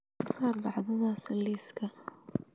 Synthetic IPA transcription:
ɑsˤɑːɾˤbaʕd̪ˤnaːsɪlːiːska

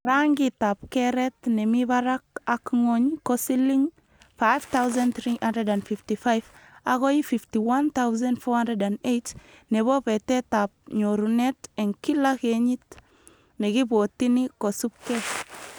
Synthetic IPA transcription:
ɾaŋɡitap̚keɾɛtnemiβaɾakakŋoɲkosiliŋ | fajft̪awz̬ãnt̪ɾihandɾɛdanfiftifajvakojififtiwant̪awzãndfohandɛdanejt | neβopetetap̚ɲoɾuneteŋkilakeɲit | nekibotinikosup̚ke

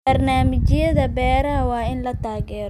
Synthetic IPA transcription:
ɐrnaːmɪt͡ʃɪjɐðɐbɛːɾɐɦwɑːɪnlɐt̪ʰaːɣɛːɾ

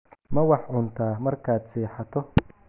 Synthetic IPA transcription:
mɐwɑħʕʊnt̪ʰaːmɐrkʰaːd̪siːħɑt̪ʰɔ

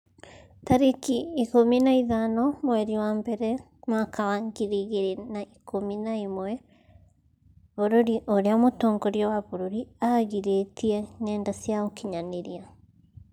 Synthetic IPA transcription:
taɾekiikominaiðanɔmwɛɾiwaːmbɛɾɛ | makawaŋɡiɾiɣeɾenaʔikominaimwɛ | βoɾoɾiʔoɾeamotɔːŋɡɔɾjɔwaβoɾoɾiaɣiɾetiɛnɛːndasjaokiɲaneɾia

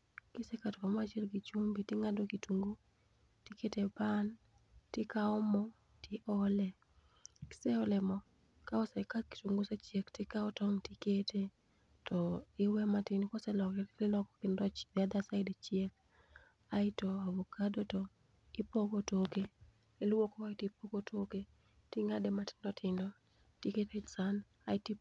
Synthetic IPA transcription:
kɪsɛkatkamat͡ʃɛlɡit͡ʃumbitɪŋadokituŋɡo | tiketeban | tɪkaɔmɔ | tɪʔɔlɛ | kɪ̥sɛɔlɛmɔ | kaɔsɛkaki̥tuŋɡosɛt͡ʃjektɪkaɔtɔŋtikete | tɔɪwɛmatɪnɪkɔsɛlɔkɛlɪlɔkɔkɪndɔt͡ʃdad̪asaɪdet͡ʃjek̚ | aɪtoawɔkadotɔ | ɪpokotoke | lɪlwokɔwatipokotʰoke | tɪŋadematɪ̥ndɔtɪndɔ | tiketesan | aɪti

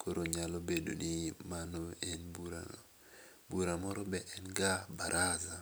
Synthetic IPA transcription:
koɾoɲalobedo̰nimanoɛnbɾa̰ | buɾamɔɾɔbɛʔɛnɡabaɾʔaza

